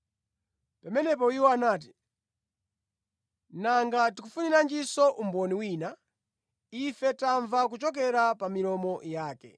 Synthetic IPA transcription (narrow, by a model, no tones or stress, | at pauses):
pamɛnɛp̬ɔiwɔanaːt̬i̥ | naŋɡatikufuniɾand͡ʒisɔʔumbɔniwina | ifɛtaɱvak̬ut͡ʃɔk̬ɛɾapamiɾɔmɔjaːkɛ̰